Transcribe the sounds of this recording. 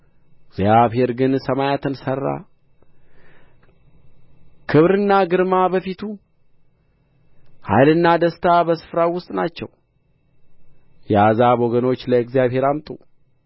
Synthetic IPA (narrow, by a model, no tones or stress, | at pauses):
ɪɡzjaβhe̞ɾɡɨnsəmajat̪ɨnsərːa̰ | kʰɨβɾɨnːaɡɨɾmabəfit̪ʰu | ha̰jlɨnːad̪əst̪ʰabəsɨ̥fɾawʊst̪ʼnat͡ʃːɛ̰w | jɛazaboɡəno̞t͡ʃːləɨɡzijaβhe̞ɾamt̪ʼu